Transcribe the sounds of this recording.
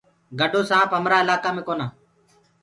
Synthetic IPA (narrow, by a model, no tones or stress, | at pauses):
ɡəɖʱoːsãːpəmɾaːɪlaːkaːmẽːkoːnaː